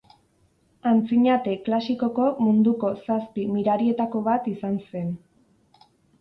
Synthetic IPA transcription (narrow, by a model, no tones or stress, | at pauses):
ant͡siɲat̪e̞klasiko̞ko̞mund̪uko̞saspimiɾaɾie̞t̪ako̞βat̪isanse̞n